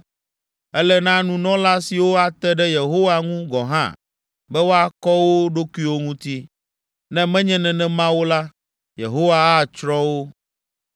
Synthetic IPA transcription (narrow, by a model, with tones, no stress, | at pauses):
ɛ˦lɛ˦nã˦nũ˦nɔ̃˦la˦si˨wo˦a˨t̪ɛ˦ɖɛ˦je˨ɦo˦wa˦ŋũ˦ɡɔ˨ɦã̰˦˨ | bɛ˦wo˦a˦kɔ˦wo˦ɖo˦ku˦i˦wo˦ŋũ˦t̪i˦ | nɛ̃˦mɛ̃˦ɲɛ̃˦nɛ̃˨nɛ̃˦mã˦wo˦la˦ | jḛ˨ɦo˦wa˦a˦˨t͡ʃɾɔ˦wo˦